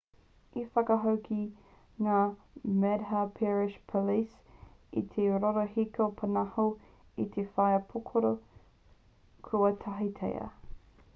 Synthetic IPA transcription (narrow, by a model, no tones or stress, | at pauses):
ifɐkɐɦɐwkʰi | ŋaː | mɛdɦɐpʰɛɹɪʃpʰolis | ḭt̪ʰeɾoɾoɦikeopʰɐnɐho | it̪ʰefɐjɐpʰokʰoɾo | kʰɾuɐt̪ʰɐɦitʰḛjɐ̰